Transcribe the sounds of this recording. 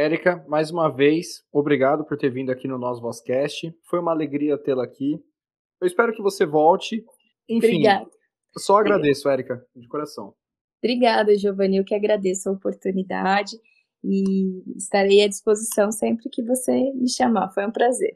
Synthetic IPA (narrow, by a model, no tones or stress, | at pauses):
ɛɾikɐmajzũmɐvejsobɾiɡad̪ʊpʊɾt̪eɾvĩd̪ʊakinʊnɔsʊvɔskɛst͡ʃɪfojũmɐaleɡɾiɐt̪elɐakʰi | ewispɛɾʊkɪvosevɔwt͡ʃɪ | ẽbfɾiĩɡad̪ʊ | sɔaɡɾad̪esʊɛɾikɐd͡ʒɪkoɾasɐ̃w̃ | b̥ɾiɡad̪ɐʒovɐ̃newkɪaɡɾad̪esʊɐopoɾt̪unid̪a̰d͡ʒɪ | ɪːst̪aɾaiɐd͡ʒispozisɐ̃w̃sẽmpɾɪkɪvosemɪʃamafojũpɾazḛɾ